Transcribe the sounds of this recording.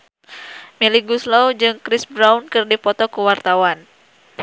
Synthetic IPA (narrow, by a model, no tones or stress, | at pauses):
miliɡuslod͡ʒɨŋkɾisbɾawnkɨrdipɔt̪ɔkuwart̪awan